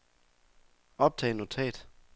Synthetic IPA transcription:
ɒ̽b̥̚t͡sʰɛ̰ːɪnːot͡sʰɛ̰ːd̥

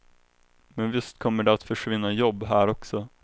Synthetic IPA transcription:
mɛnvɪst̪kʰɔmːəɖɛat̪fœʂvɪnːajɔbːɦæːɾɔksɔ

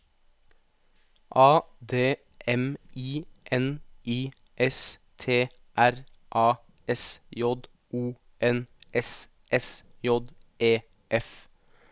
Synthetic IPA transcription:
ʔɑːd̪eː | ɛmiːʔɛniː | ʔɛs | t̪ʰeː | ʔæɾ | ʔɑː | ɛsjɔd̪ | ʔuː | ɛnʔɛs | ʔɛsjɔd̪ʔeː | ʔɛf

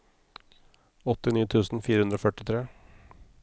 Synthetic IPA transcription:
ɔt̪ːɪnyːt̪ʰʉːsn̩fiːɾəhʉnd̪ɾoːfœʈɪt̪ʰɾeː

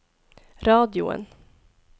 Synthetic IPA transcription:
ɾɑːd̪ɪʊ̰ə̰n

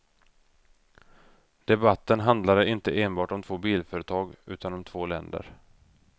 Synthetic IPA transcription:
d̪̥ɛbat̪ːənɦand̪laɾəɪnt̪əʔeːnbɑːʈɔmt̪ʰv̥oːbiːlfœːɾət̪ʰɑːɡʉ̟ːt̪anɔmt̪ʰvoːlɛ̰nd̪ə̰ɾ

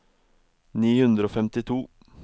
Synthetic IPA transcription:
niːhʉnd̪ɾəoːfɛmt̪ɪt̪ʰuː

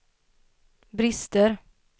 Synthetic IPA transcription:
bɾɪst̪əɾ

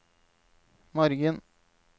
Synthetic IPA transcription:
mɔɾɡən

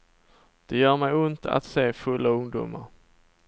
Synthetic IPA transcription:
d̪̥ɛjœːɾmɛjʊnt̪a̰t̪seːfɵlːaɵŋd̪ṵːmaɾ

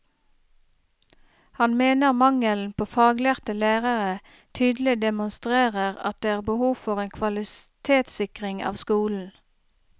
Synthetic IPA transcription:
hɑnmeːnəʁmɑŋəln̩pʰoːfɑːɡleːʁt̪əlæːʁəʁə | t̪ʰyːd̪l̩ɪd̪ɛmʊnst̪ʁeːʁəʁɑ̰t̪̚d̪eːæːʁbəhuːʋfɔʁeːnkʰʋɑlɪst̪ʰeːt̪sɪkʁɪŋɑ̰ːʋskuːln̩

